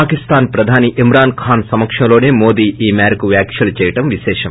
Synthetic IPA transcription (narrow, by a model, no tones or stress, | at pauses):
aːkist̪aːnpɾɐd̪ʱaːniʔimɾaːnkʰaːnsɐmɐkʂɐmloːneːmo̞ːd̪iːʔiːmaːɾɐkuʋjaːkʃɐlut͡ʃɛːjɐʈɐmʋiʃɛːʃɐm